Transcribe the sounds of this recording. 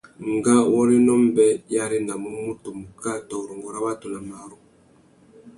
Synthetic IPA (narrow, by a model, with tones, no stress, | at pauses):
ŋɡa˦wɔ˦ɾi˦nɔ˦m˦bɛ˦ja˦ɾi˦na˨mu˦mu˦to˨mu˨ka˦tɔ˨ɾo˨ŋɡɔ˨ɾa˦ba˦to˨na˨ma˨˦ɾu˦